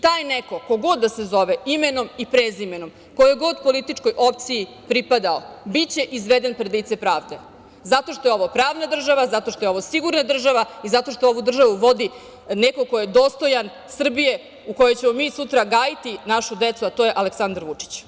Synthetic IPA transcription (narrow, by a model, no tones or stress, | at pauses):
t̪aːjneko̞ko̞ɡo̞d̪ːasezo̞ʋeimeno̞mipɾezimeno̞m | kojjeɡo̞d̪po̞lit̪it͡ʂko̞jʔo̞p̚t̪siji | pɾipad̪aobit͡ɕe̞ʔizʋed̪enpɾed̪lit̪sepɾaːʋd̪e̞ | zat̪o̞ʃt̪o̞jo̞ʋopɾaːʋnad̪r̩ʒaʋazat̪o̞ʃt̪o̞jeo̞ʋosiɡuɾnad̪r̩ʒaʋaizat̪o̞ʃt̪ooʋud̪r̩ʒaʋuʋo̞d̪i | nekokojed̪o̞ːst̪o̞jan | sr̩bije̞ | ukojot͡ɕe̞mo̞misut̪ɾaɡaːjit̪inaʃud̪et̪suat̪o̞jeʔaleksand̪aɾʋut͡ʂi̥t͡ɕ